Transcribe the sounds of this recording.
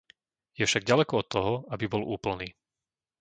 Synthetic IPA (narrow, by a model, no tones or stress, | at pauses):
jɛfʃaɡ̚ɟalɛkɔɔt̪ʰːɔɦɔabibɔlʔuːpl̩niː